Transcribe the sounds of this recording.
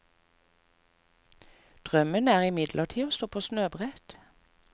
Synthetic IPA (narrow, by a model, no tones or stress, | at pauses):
d̪̥ʁœmənæːʁɪmɪd̪lʔəʁʈʰiːoːst̪oːpʰoːsnøːbʁɛt̪